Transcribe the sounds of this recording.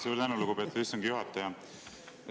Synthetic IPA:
suɾt̪ænuluɡubet̪ːisːɑŋɡ̥ijuɦɑt̪ːˑɑjɑ

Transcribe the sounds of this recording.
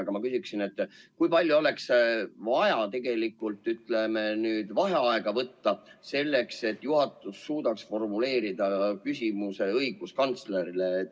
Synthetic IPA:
ɡ̥ɑmɑkysiksine̞t̪ːˑkujpɑlʲjuo̞le̞ksvɑjɑt̪e̞ɡ̥e̞likːˑult̪ˑːyt̪le̞menyːd̪̥vɑɦe̞ɑe̞ɡ̥ɑvɤt̪ːɑse̞lːe̞kse̞t̪ːˑjuɦɑt̪ːˑusːuːd̪̥ɑksfo̞rmule̞ːɾid̪̥ɑkysʲimuse̞ɤjɡ̥uskɑnt̪sleɾile

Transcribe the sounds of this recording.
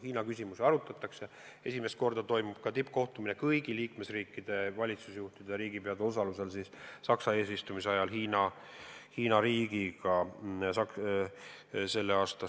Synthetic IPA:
hiːnɑkysʲimuseɑɾut̪ːˑɑt̪ːˑɑkse | e̞sime̞st̪̚ko̞rd̪ɑt̪o̞jmub̥̚kɑt̪ipːˑko̞ht̪uminekɤjɡ̥iliːkme̞sriːkˑːid̪̥e̞vɑlʲit̪susjuht̪id̪̥eɾiːɡ̥ipe̞ɑd̪e̞o̞s̬ɑluse̞lsissɑksɑe̞ːsist̪umiseɑjɑlhiːnɑ | hiːnɑɾiːɡ̥iɡɑsɑk | se̞lːeɑːst̪ɑ

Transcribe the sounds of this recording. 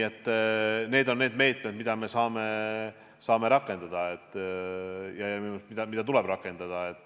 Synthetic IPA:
et̪ˑːne̞ːd̪o̞nːeːd̪me̞ːt̪ˑme̞d̪̥mid̪̥ɑme̞sɑːme̞ | sɑːme̞ɾɑkːˑe̞nd̪̥ɑd̪̥ɑet̪ːˑ | jɑjɑmiusmid̪ɑmid̥̪ɑt̪ule̞b̥rɑkːˑe̞nd̪̥ɑd̪̥ɑe̞t̪ːˑ

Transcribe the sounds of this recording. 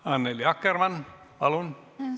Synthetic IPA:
ɑnːeliɑkːermɑn | pɑlun

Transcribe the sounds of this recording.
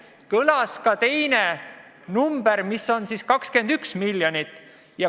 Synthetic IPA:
kɤlɑskɑt̪e̞jne̞ | numb̥e̞ɾmisːo̞nsiːskɑkske̞nd̪̥yksmilːjonit̪ːˑ | jɑ

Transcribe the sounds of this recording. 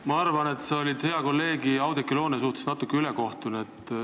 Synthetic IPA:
mɑɑrvɑne̞t̪seolʲid̪̥he̞ɑko̞lːe̞ːɡiɑwd̪ekːˑilo̞ːnesuht̪esnɑt̪ːˑukːˑeyleko̞ht̪unet̪ːˑ

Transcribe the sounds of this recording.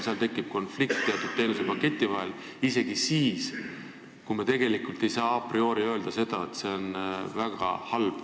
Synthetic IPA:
seɑlt̪e̞kˑːib̥̚ko̞nflik̚t̪t̪ːe̞ɑt̪ˑud̪̚t̪ːe̞ːnuse̞pɑke̞t̪ʲˑːivɑɦe̞l | ise̞ɡ̥isiːs | kumɑt̪e̞ɡ̥e̞likult̪ˑe̞jsɑːɑprio̞ːɾiø̞ːld̪̥ɑse̞d̪̥ɑet̪se̞o̞nvæɡ̥ɑ̰hɑlb̥

